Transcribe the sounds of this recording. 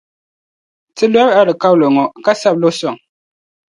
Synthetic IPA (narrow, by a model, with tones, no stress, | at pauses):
tɨ˦lwa˦ba˦lɨ˨ka˦wlo˨ŋɔ˨ka˦sa˦p̚lo˦sɔ˨ŋ